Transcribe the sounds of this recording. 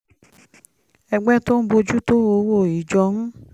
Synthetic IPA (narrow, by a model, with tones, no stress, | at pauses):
ɛ˧ɡ͡bɛ˦to˦n̩˦bo˧d͡ʒu˦to˦o˧˦wo˦˨i˨d͡ʒɔ˧n̩˦